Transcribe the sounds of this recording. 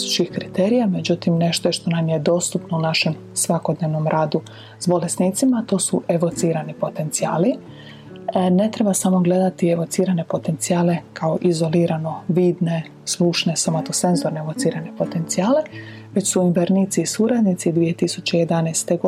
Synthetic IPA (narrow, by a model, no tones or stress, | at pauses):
u̥t͡ʃixkɾit̪eːɾijame̞d͡ʑut̪imne̞ʃt̪oeʃt̪o̞namje̞d̪o̞st̪upno̞unaʃe̞m | sʋako̞d̪neʋno̞mɾʔaːd̪u | z̥bo̞le̞sniːt̪simat̪o̞ːsuʔe̞ʋo̞t̪siːɾanipo̞t̪e̞nt̪siaːli | ne̞t̪ɾe̞basamo̞ɡle̞d̪at̪ieʋo̞t̪siːɾane̞po̞t̪e̞nt̪siaːle̞kʰaoʔizo̞liːɾano̞ʋiːd̪ne̞ | sluʃne̞somot̪ose̞nzo̞ɾneeʋo̞t̪siːɾane̞po̞t̪e̞nt̪siaːle̞ | ʋe̞t͡ɕsuimʋeɾniːt̪sisuɾad̪nit̪sid̪ʋije̞t̪isut͡ɕeije̞d̪anɛjst̪e̞ɡo